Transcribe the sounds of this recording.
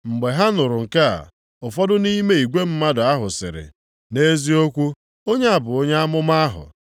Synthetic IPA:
ŋ͡m̩˨ɡ͡be˨ɦa˦nʊ˨ɾʊ˨ŋ̩˨ka̰˦˨ | ʊ˨fɔ˦dʊ˦ni˦me˦i˨ɡʷe˦m̩˦ma˦dʊ˨a˦ɦʊ˨sɪ̰˨ɾɪ̰˨ | ne˦zi˦o˦kʷu˦ | o˦ɲe˦a˨bʊ˨o˦ɲe˦a˦mʊ˦ma˦a˦ɦʊ̰˨

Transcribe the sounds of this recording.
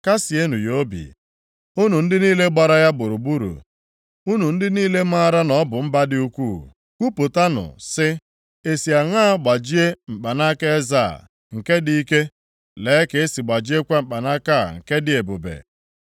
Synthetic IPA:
ka˦si˨e˦nu˨jo˦bḭ˨ | u˦nu˨n̩˦dɪ˦niː˦le˦ɡ͡ba˨ɾa˦ja˦bʊ˨ɾu˨bu˦ɾṵ˨ | u˦nu˨n̩˦dɪ˦niː˦le˦ma˦ɾa˦nɔ˦bʊ˨m̩˦ba˦dɪ˦u˦kʷuː˦˨ | kʷu˦po˨ta˦nʊ̰˨sɪ˦ | e˨si˨a˨ŋaː˦ɡ͡ba˨d͡ʒi˦e˦m̩˨k͡pa˨na˦ka˦e˦za̰ː˦˨ | ŋ̩˨ke˦di˦i˦ke˦ | leː˨˦ke˨e˦si˨ɡ͡ba˨d͡ʒi˦e˦kʷa˦m̩˨k͡pa˨na˦ka˦˨ŋ̩˨ke˦dɪ˦˨e˨bʊ˨bḛ˨

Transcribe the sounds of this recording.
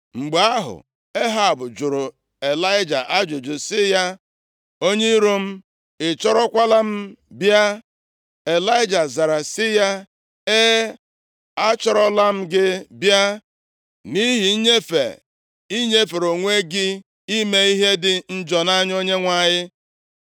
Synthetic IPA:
ŋ͡m̩˨ɡ͡ba˦ɦʊ̰˨ | e˦ɦa˨bʊ˨d͡ʒʊ˨ɾʊ˨ | e˨la˦ɪ˦d͡ʒa˨ʔa˦d͡ʒʊ˨d͡ʒʊ˨sɪ˦ja˦ | o˦ɲe˦ɾo˦m̩˦ | ɪ˨t͡ʃɔ˦ɾɔ˦kʷa˦la˦m̩˦bja˦ | e˨la˦ɪ˦d͡ʒa˨za˨ɾa˨sɪ˦ja˦ | e˦ | a˦t͡ʃɔ˦ɾɔ˦la˦m̩˦ɡɪ˦bja˦ | ni˦ɦi˨˦ɲe˦fḛ˨ | i˦ɲe˦fe˨ɾo˨ŋʷe˦ɡɪ˦ | i˦me˦i˦ɦe˦dɪ˨n̩˦d͡ʒɔ˨na˦ɲ˦o˦ɲe˦ŋʷa˦ɲɪ˦

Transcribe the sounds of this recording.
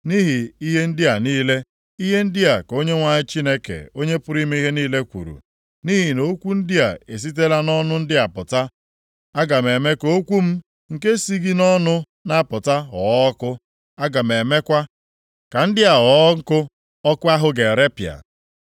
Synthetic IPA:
ni˦ɦi˨i˦ɦe˦n̩˦dɪ˦a˨niː˦le˦ | i˦ɦe˦n̩˦dɪ˦a˨ko˦ɲe˦ŋʷa˨ɲɪ˦t͡ʃi˦ne˦kḛ˨o˦ɲe˦pʊ˦ɾi˦me˦i˦ɦe˦niː˦le˦kʷṵ˨ɾṵ˨ | ni˦ɦi˨no˨˦kʷu˦n̩˦dɪ˦a˨e˨s̬i˦t̬e˦la˦nɔ˦nʊ˦n̩˦dɪ˦a˨pʊ˨ta˦ | a˦ɡa˨me˨me˦ko˦kʷu˦m̩˦ | ŋ̩˨ke˦si˦ɡi˦nɔ˦nʊ˦ | na˦˨pʊ˨ta˦ɔ˨˦kʊ˦ | a˦ɡa˨me˨me˦kʷa˦ | ka˨n̩˦dɪ˦a˨ɔ˨˦ŋ̩˦kʊ˦ | ɔ˦kʊ˦a˦ɦʊ˦ɡe˨ɾe˦pja̰˨

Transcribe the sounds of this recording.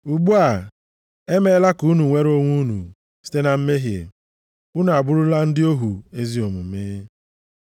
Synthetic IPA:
u˨ɡ͡bu˦a˨ | e˦me˦la˦ku˨˦nu˨ŋʷe˦ɾo˦ŋʷu˦nṵ˨ | si̥˦te˦na˨m̩˦me˦ɦjḛ˨ | ʊ˦n˨a˨bʊ˦ɾʊ˦la˦n̩˦dɪ˦o˦ɦu˨e˦zi˦o˨mʊ˨˦me˦

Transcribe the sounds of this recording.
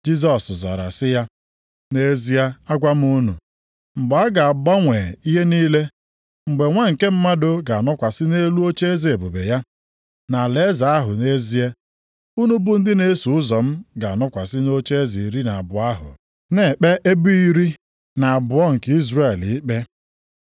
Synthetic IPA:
d͡ʒi˦z̬ɔ˨sza̰˨ɾa̰˨sɪ˦ja˦ | ne˦zi˦ja˦a˦ɡʷa˦m̩˦u˦nṵ˨ | ŋ͡m̩˨ɡ͡ba˨a˦ɡa˨a˨ba˦ŋʷe˨i˦ɦe˦niː˦le˦ | ŋ͡m̩˨ɡ͡be˨ŋʷa˦ŋ̩˨ke˦m̩˦ma˦dʊ˦ɡa˨nɔ˦kʷa˨sɪ˦ne˦lu˦o˦t͡ʃe˦e˦zi˨e˨bu˨be˨ja˦ | na˨le˨˦za˨a˦ɦʊ˨ne˦zi˦e˦ | u˦nu˦bʊ˦n̩˦dɪ˦ne˦su˨ʊ˦zɔ˨m̩˦ɡa˨nɔ˦kʷa˨sɪ˦no˦t͡ʃe˦e˦zi˨ɾi˦na˨a˨bʊ˨a˦ɦʊ̰˨ | ne˨k͡pe˦ʔe˦bu˦i˦ɾi˦ | na˨a˨bʊ˨ɔ˦ŋ̩˨ki˦zɾe˦˨li˦k͡pe˦

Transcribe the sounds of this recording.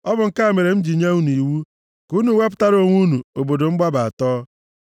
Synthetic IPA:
ɔ˦bʊ˨ŋ̩˦ka˦e˨me˨ɾe˨m̩˦d͡ʒi˨ɲe˦u˦nu˨i˨wu˦ | ku˦nu˨˦wʷe˦p̬ʊ̥˦ta˦ɾo˨ŋʷu˦nu˨o˨bo˨do˨ŋ͡m̩˦ɡ͡ba˦ba˨a˨tɔː˦

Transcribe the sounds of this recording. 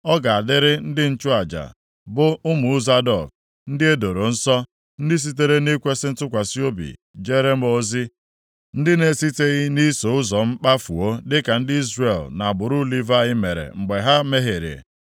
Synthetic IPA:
ɔ˦ɡa˨a˨dɪ˦ɾɪ˦n̩˦dɪ˦n̩˦t͡ʃʊ˦a˨d͡ʒa̰˨ | bʊ˦ʊ˦mʊ˨ʊ˦za˦dɔ̰˨k̚ | n̩˦dɪ˦e˦do˨ɾo˨n̩˦sɔ˦ | n̩˦dɪ˦s̬i˦t̬e˦ɾe˦ni˦kʷe˦sɪ˦n̩˦tʊ˦kʷa˨si˦o˦bḭ˨ | d͡ʒe˦ɾe˦m̩˦o˦zi˦ | n̩˦dɪ˦ne˨si˦te˦ɣɪ˦ni˦so˨ʊ˦zɔ˨m̩˦k͡pa˦fṵ˨o˦dɪ˦ka˨n̩˦dɪ˦i˦zre˨lna˨bʊ˨ɾʊ˦li˦va˦˨ɣɪ˦me˨ɾḛ˨ŋ͡m̩˨ɡ͡be˨ɦa˦me˦ɦe˨ɾḛ˨

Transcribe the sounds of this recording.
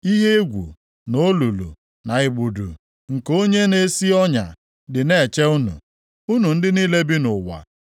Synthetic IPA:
i˦ɦe˦e˦ɡʷṵ˨ | no˦lu˨lṵ˨ | na˨ɪ˨ɡ͡bu˨dṵ˨ | ŋ̩˨ko˦ɲe˦ne˨˦si˦ɔ˦ɲa̰˨ | dɪ˨ne˦˨t͡ʃe˦u˦nṵ˨ | u˦nu˨n̩˦dɪ˦niː˦le˦bi˦nʊ˨wa̰˨

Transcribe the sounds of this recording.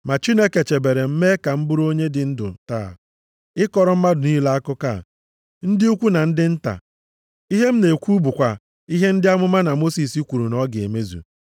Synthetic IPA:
ma˨t͡ʃi˦ne˦ke˨t͡ʃe˨be˨ɾe˨m̩˦me˦ka˨m̩˦bu˦ɾo˦ɲe˦dɪ˨n̩˦dʊ̰˨ta̰˦˨ | ɪ˦kɔ˨ɾɔ˨m̩˦ma˦dʊ˨ni˦la˦a˦kʊ˦ka̰˦˨ | n̩˦dɪ˦u˦kʷu˦na˨n̩˦dɪ˦n̩˦ta̰˨ | i˦ɦe˦m̩˦ne˨kʷu˦bu˨kʷa˨ | i˦ɦe˦n̩˦dɪ˦a˦mʊ˦ma˦na˨mo˦si˨si˦kʷu˨ɾu˨nɔ˦ɡe˨me˦zṵ˨

